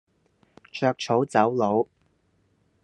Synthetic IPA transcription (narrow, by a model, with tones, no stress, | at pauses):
t͡ʃʰœː˧k̚t͡ʃʰo˨˥wt͡sɐ˨˥wlo˨˧w